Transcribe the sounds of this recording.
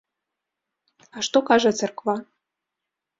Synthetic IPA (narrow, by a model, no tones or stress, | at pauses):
ɑʃt̪okɑʒɤ̆t͡sĕrkvɑ